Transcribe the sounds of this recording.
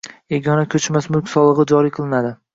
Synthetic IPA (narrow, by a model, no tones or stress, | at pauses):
eɡʲɒnakʲʰɵt͡ʃmasmʊlkʲsɒlˠɨʁɨd͡ʒɒɾijqʰɨlˠɪnad̪ɪ